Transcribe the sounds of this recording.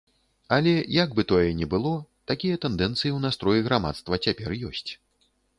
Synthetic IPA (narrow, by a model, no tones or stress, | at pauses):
alʲɛjɐɡbɨt̪ɔjɛnʲɛbɨlˠɔt̪akʲijɐt̪ɛnd̪ɛnt̪sɨjiwnast̪ɾɔjiɣɾama̰t̪st̪vɐt͡sʲapʲɛrjɔsʲt͡sʲ